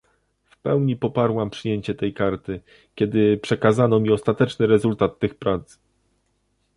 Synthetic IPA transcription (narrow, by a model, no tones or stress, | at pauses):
fpɛwɲipɔpaɾwampʂɘjeɲt͡ɕɛt̪ɛjkaɾt̪ɘ | kʲɛd̪ɘpʂɛkazanɔmʲiɔst̪at̪ɛt͡ʂnɘɾɛzult̪at̪ːɘxpɾat̪s